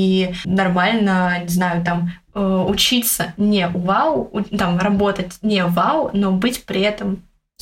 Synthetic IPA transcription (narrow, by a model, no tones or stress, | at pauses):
inɐrmalʲnənʲɪznajʊt̪am | əʊt͡ɕit̪sənʲeʔʊvalˠʊt̪amrɐbo̞t̪ətʲnʲevalˠno̞bɨtʲpɾʲɪɛt̪əm